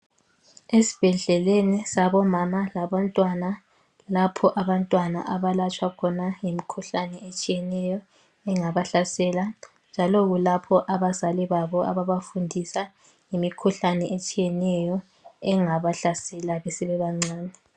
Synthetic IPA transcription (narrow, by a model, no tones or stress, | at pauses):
esi̥b̥ʱɛɮɛlenisaβɔmamalaβantʼwana | lapʰɔʔaβantʼwana̰ʔaβalat͡ʃʰʼwakʰɔnajimikʰuɬanɛet͡ʃʼijɛnɛjɔ | ɛŋaβaɬasɛla | nd͡ʒʱalɔɣulapʰɔʔaβazaliβaβɔa̰βaβafundʱisa | jimikʰuɬanɛʔet͡ʃʼijɛnɛjɔ | ɛŋaβaɬasɛlaβɛsiβɛβaŋ͡ǀaːnɛ